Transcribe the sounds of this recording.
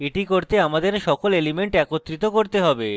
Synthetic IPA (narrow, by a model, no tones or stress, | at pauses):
eʈikoɾt̪eamad̪eɾʃɔkolelimeɳʈɛkot̪ːɾit̪okoɾt̪eɦɔbe